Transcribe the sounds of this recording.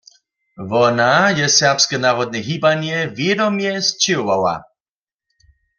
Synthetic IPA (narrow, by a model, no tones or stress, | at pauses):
vɔnajɛsɛʁpskɛnaːʁɔd̪̚nɛɦibanjɛvjɛdɔmjɛst͡ʃɪwwawa̰